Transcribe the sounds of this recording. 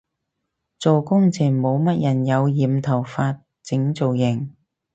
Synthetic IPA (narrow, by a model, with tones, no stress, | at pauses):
t͡so˨wkʊ˥ŋt͡sʰiː˨˩nmo˨˧wmɐ˥t̚jɐ˨˩njɐ˨˧wjiː˨mt̪ʰɐ˨˩wfaː˧t̚ | t͡sɪ˨˥ŋt͡so˨wjɪ˨˩ŋ